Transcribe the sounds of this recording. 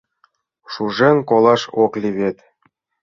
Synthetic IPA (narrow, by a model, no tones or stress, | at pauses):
ʂuʐenkolˠɑʂoklʲiβʲet̪ʲ